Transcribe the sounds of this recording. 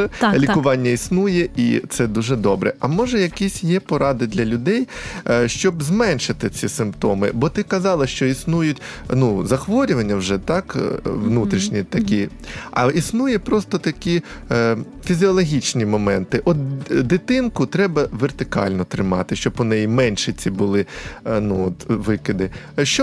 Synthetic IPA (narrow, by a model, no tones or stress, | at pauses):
lʲikʊʋɑnʲːɐisnujɛʔḭt̪sɛd̪uʒɛd̪ɔbɾɛ̰ʔɐmɔʒɛjɐkisʲjɛpɔɾɑd̪ɪd̪lʲɐlʲʊd̪ɛjʃt͡ʃɔbzmɛnʲʃɪt̪ɪt͡sʲisɪmpt̪ɔmɪ̰bɔt̪ɪkɐzɑlˠɐʃt͡ʃɔisnujʊtʲnuzɐxʋɔɾʲʊʋɐnʲːɐwʒɛt̪ɑkʋnut̪ɾʲiʃnʲit̪ɐkʲi | ɐ̰isnujɛpɾɔst̪ɔt̪ɐkʲi | fʲizʲiɔlˠɔɦʲit͡ʃnʲimɔmɛnt̪ɪʔɔt̪d̪ɪt̪ɪnkʊt̪ɾɛbɐʋert̪ɪkɑ̰lʲnɔt̪ɾɪmɑ̰t̪ɪʃt͡ʃɔbɔnɛjimɛnʲʃɪt͡sʲibʊlˠɪnuɔt̪ʋɪkɪd̪ɪ | ʃt͡ʃɔ